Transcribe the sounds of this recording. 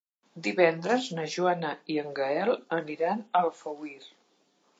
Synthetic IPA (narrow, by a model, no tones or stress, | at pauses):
d̪iβɛnd̪ɾəznəʒuanəiəŋɡəɛlˠəniɾanəlˠfəwiɾ